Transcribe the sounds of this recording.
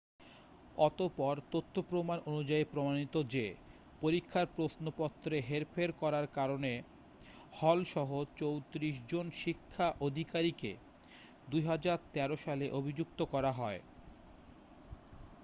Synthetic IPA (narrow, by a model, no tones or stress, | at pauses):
ɔt̪opɔɾt̪ot̪ʰːopɾomanonud͡ʑaipɾomanit̪od͡ʑe | poɾikʰːaɾpɾosnopɔt̪ːɾeɦeɾpʰeɾkɔɾaɾkaɾone | hɔlʃɔɦot͡ɕowt̪ɾiʃ̬d͡ʑonʃikʰːaʔod̪ʱikaɾikḛ | d̪ujɦad͡ʑaɾt̪ɛɾoʃaleʔobʱid͡ʑukt̪okɔɾaɦɔe